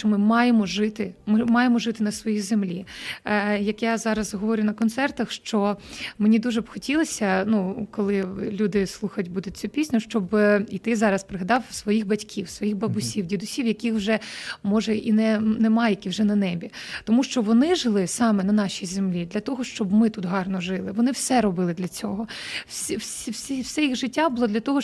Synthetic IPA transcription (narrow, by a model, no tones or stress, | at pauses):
ʃt͡ʃɔmɪmɑjemɔʒɪt̪ɪmɪmɑjemɔʒɪt̪ɪnɐsʋɔjijzemlʲi | jɐkjazɑɾɐzɦɔʋɔɾʲʊjʊnɐkɔnt̪sɛrt̪ɐxʃt͡ʃɔmenʲid̪uʒɛbxɔtʲilˠɐsʲɐnukɔlˠɪlʲud̪ɪslˠuxɐjtʲbud̪ʊt̚ʲt͡sʲupʲisʲnʲʊʃt͡ʃɔbit̪ɪzɑɾɐspɾeɦɐd̪ɑwsʋɔjixbɐtʲkʲʰiwsʋɔjixbɐbʊsʲiwdʲid̪ʊsʲiwjɐkʲixwʒɛmɔʒɛʔinɛnɛmɑjɛkʲiwʒɛnɐnɛbʲit̪ɔmuʃt͡ʃɔʋɔnɪʒɪlˠɪsɑmɛnɐnɑʃʲijzemlʲid̪lʲɐt̪ɔɦɔʃt͡ʃɔbmɪt̪ut̪ɦɑrnɔʒɪlˠɪʋɔnɪwsɛɾɔbɪlˠɪd̪lʲɐt͡sʲɔɦɔ | wsʲiwsʲiwsʲiwsɛjiɣʒɪtʲːabʊlˠɔd̪lʲɐt̪ɔɦɔ